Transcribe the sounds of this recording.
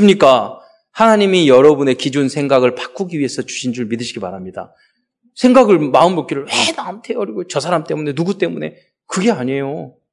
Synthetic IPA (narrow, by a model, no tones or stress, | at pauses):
ɯmɲik͈a | hanaɲimijʌɾʌbune̞kid͡ʑunsʰe̞ŋɡaɡɯɭpḁk͈uɡiɥie̞sʰʌt͡ɕu̥ɕʰind͡ʑuɭmidɯɕʰiɡima̰ɾamɲida̰ | sʰeŋɡaɡɯɭmaɯnmok͈iɾɯɭwenamtʰeoɾiɡot͡ɕʌsʰaɾamt͈e̞mune̞nuɡut͈e̞mune̞ | kɯɡe̞aɲe̞jo